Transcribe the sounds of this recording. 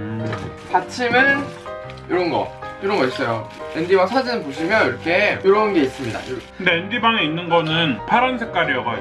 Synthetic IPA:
pat͡ɕʰimɯɾ | iɾʌnɡʌ̰iɾʌnɡʌis͈ʌjo | endibaŋsʰad͡ʑinɯnpoɕ̬ʰimjʌniɾʌkʰe̞jiɾʌnɡe̞is͈ɯmɲida̰kɯndeendibaŋeinːɯnɡʌnɯnpʰaɾʌnsʰe̞k͈aɾijʌɡao

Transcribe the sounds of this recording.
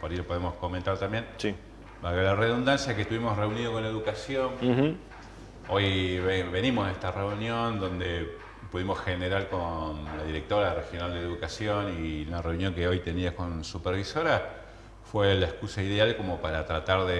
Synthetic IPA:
poɾailopoemosko̞mẽnt̪aɾt̪ambje̞nsi | baɣalare̞ðund̪ansjaket̪uβimo̞sre̞uniðoko̞nlaeðukasjo̞n̩ | ojeβe̞nimoseht̪are̞unjo̞nd̪o̞nd̪e̞ | puðimo̞sxeneɾaɾko̞nlaðiɾe̞k̚t̪o̞ɾare̞xjo̞nald̪eðukasjo̞niunareunjo̞ŋkeo̞jt̪eniako̞nsupeɾβiso̞ɾa | fwelaehkusaiðealko̞mo̞paɾat̪ɾat̪aɾðe

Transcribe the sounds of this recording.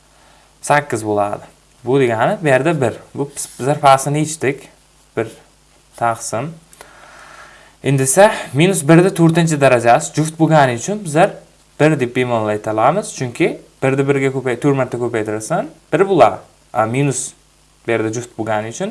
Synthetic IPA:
sakʲːɪzbolˠaːd̪ɪ | bʊd̪eɡʲanɪbɪjɛɾd̪abɪɾbʊb̥ɪzaɾpʰaːsɪnɪit͡ʃt̪ɪkʲ | b̥ɪɾ | t̪ʰɑqsɪn | ɪnd̪ɪsaminʊsbɪɾd̪at̪ʰɵɾt̪ɪnt͡ʃʰɪd̪aɾad͡ʒasɪd͡ʒʊft̪̚boɡʲanɪʊt͡ʃʰʊnbɪzaɾ | b̥ɪɾd̪ep̚bemonlːˠajt̪ʰalˠamɪz̥t͡ʃʰʊŋkʲʰɪb̥ɪɾd̪abɪɾɡʲakʲʰɵpajt̪ʰɵɾmaɾt̪ʰːakʲʰɵpajt̪ʰɪɾɪsanb̥ɪɾbʊlˠa̰ | aminʊs | bɪjɛɾd̪ad͡ʒʊft̪̚boɡʲanɪʊt͡ʃʰʊn

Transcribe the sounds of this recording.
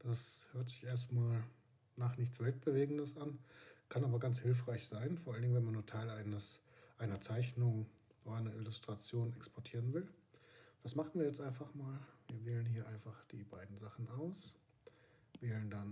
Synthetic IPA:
d̥ashøːɐtz̥ɪçʔeːɐstmaːl | naːχnɪçtt͡sv̥ɛlt̚b̥əveːɡŋ̩dəsʔankʰanʔaːbɐɡant͡shɪlfʁ̥aɪçz̥aɪnfɔɐʔaləndɪŋnvɛnmanːuːɐtʰaɪlaɪnəs | ʔaɪnɐt͡saɪçnʊŋ | odɐʔaɪnɐʔɪlʊstʁ̥at͡sjoːnɛkspʰɔɐtʰiːʁənvɪl | d̥asmaχn̩viːɐjɛt͡stʔaɪnfaχmaːlviːɐveːlənhiːɐʔaɪnfaχd̥iːbaɪdn̩zaχn̩ʔaʊs | veːləndan

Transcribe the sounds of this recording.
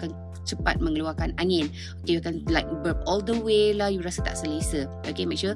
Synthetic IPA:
kan | t͡ʃəpa̰t̪̚mə̃ŋəluakanaŋɪ̃n | okejuakanlajk̚bəp̚ɔld̪əwelahjuɾasət̪a̰ʔsəlesə | okemɛk̚ʃu

